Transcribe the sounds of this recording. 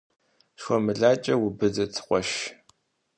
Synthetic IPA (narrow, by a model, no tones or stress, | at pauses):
ʃwʷɔmɨɮaːt͡ʃʼɐwʊbɨzɐt͡sʰɨ̥χʷɔʃ